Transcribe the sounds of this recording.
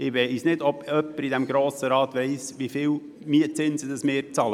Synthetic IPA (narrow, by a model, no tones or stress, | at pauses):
ɪʋɛsnɪdɔbœpːəɾid̪ɛmɡɾoːsəɾɑːt̪ʋɛɪsʋifɪːl | miːt͡sɪnzəd̪əsmɪːɾt͡sɑːlə